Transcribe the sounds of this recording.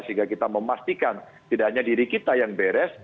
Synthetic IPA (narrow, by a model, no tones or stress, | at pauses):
siŋɡakit̪aməmast̪ikan | t̪idahaɲadiɾikit̪ajaŋbɛɾɛs